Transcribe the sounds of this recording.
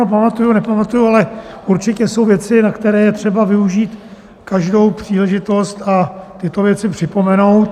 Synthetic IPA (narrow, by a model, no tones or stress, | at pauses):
opamat̪ujunɛpamat̪ujualɛʔuɾt͡ʃɪcɛso̞wvjɛt͡sɪnakt̪ɛɾɛːjɛt̪r̝̥ɛbavɪuʒiːt̪ | kaʒdo̞wpr̝̥iːlɛʒɪt̪o̞st̪at̪ɪt̪o̞vjɛt͡sɪpr̝̥ɪpo̞mɛno̞wt̪